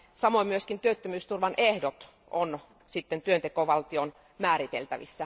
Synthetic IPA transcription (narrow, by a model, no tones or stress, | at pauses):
sɑmoimyøskint̪yøt̪ːømyːst̪urʋɑnehdot̪ | ʔon | sit̪ːent̪yønt̪ekoʋɑlt̪ion | mæːɾit̪ḛlt̪æ̰ʋḭsːæ